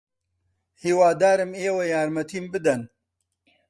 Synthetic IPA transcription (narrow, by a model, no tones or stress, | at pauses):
hiːwaːd̪aːɾɨmeːwɐjaːɾmɐt̪ʰiːmbɨd̪ɐn